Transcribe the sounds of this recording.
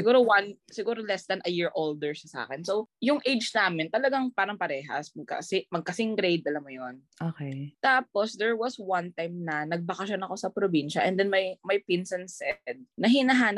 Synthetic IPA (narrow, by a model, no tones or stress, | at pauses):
sɪɡuːɾowɐnsɪɡuːɾolɛsd̪ɐnʔɐjiɹʔold̪ɛɹsɐsa̰ːkɛnsowjʊŋʔejd͡ʒnaːmɪnt̪ɐlɐɡaŋpaːɾɐŋpɐɾɛːɦɐ̰smɐɡ̚kɐ̰sɪmɐɡ̚kɐsɪŋɡɾejd̪̚ɐlɐmːʊjonʔoːkejt̪aːposd̪ɛɹwɐswɐnt̪ajmnɐnɐɡ̚bɐkɐʃonɐko̞sɐpɾobinʃɐʔɛ̰̃nd̪ɛnmɐjmɐjpɪnsɐnsɛd̪̚nɐɦɪnɐɦaːnɐp̚